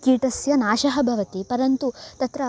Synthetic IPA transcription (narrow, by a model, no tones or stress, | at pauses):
kiːʈɐsjɐnaːʃɐɦɐbʱɐʋɐt̪ipɐɾɐnt̪ut̪ɐt̪ɾɐ